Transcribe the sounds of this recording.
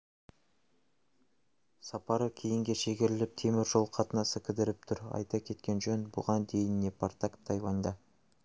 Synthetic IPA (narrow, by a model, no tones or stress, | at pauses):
sɑpɑɾəkʲʰejɪŋɡʲe̞ʃe̞ɡʲeɾɪlɪp̚t̪ʰe̞mɪɾʒolˠqʰɑt̪ənɑsəkʲʰɪd̪ɪɾɪp̚t̪ʰʊɾɑ̰jt̪ɑkʲʰe̞t̪kʲe̞nʒɵnbʊ̰ʁɑnd̪e̞jɪnːe̞pʰaɾt̪akt̪ʰːɑjwɑnd̪ɑ